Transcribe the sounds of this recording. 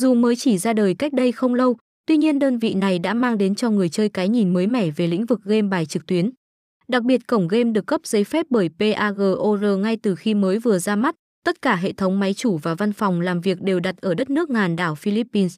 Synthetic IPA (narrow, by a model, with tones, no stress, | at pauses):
zu˨˩məː˨˦jt͡ɕi˧˩zaː˧ɗəː˨˩jka˦˥k̚ɗə˧jxə˧wŋ͡mlə˧w | t̪wi˧ɲi˧ənɗəː˧nvḭ˧˨na˨˩jɗa̰ː˧˥maː˧ŋɗe˨˦nt͡ɕɔ˧ŋɨ˨˩əjt͡ɕəː˧jkaː˨˦jɲi˨˩nməː˨˦jmɛ˧˩ve˨˩lḭ˧˥ŋ̟vɨ˨˩k̚ɣe˧mɓaː˨˩jt͡ɕɨ˨˩k̚t̪wi˨˦ən | ɗa˨˩k̚ɓi˨˩ət̚kə˧˩wŋ͡mɣe˧mɗɨ˨˩əkːə˦˥p̚zə˨˦jfɛ˦˥p̚ɓəː˧˩jpe˧ʔaː˧ɣəː˨˩ʔo˧zəː˧˩ŋa˧jt̪ɨ˨˩xi˧məː˨˦jvɨ˨˩əzaː˧ma˦˥t̚ | t̪ə˦˥t̚kaː˧˩ɦḛ˧˨t̪ʰə˨˦wŋ͡mma˨˦jt͡ɕu˧˩vaː˨˩va˧nfa˨˩wŋ͡mlaː˨˩mvi˨˩ək̚ɗe˨˩wɗa˨˩t̚ʔəː˧˩ɗə˦˥t̚nɨ˦˥ək̚ŋaː˨˩nɗaː˧˩wfi˧li˦˥pːi˧ns